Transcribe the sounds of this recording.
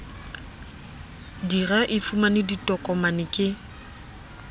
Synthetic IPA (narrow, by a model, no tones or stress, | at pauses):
diraʔɪfumanɪditʼɔkʼɔmanɪkʼɪ